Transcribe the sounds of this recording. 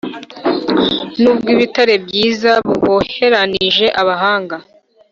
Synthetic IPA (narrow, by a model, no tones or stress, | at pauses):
nuːbɡiβitaɾe̞bɟiːzaβuhohe̞ɾaniiʒe̞ʔaβaɦaːŋɡa